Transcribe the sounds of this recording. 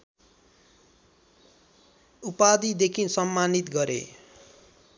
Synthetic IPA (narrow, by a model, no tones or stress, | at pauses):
upad̪id̪ekʰinsʌmːanit̪ɡʌɾḛ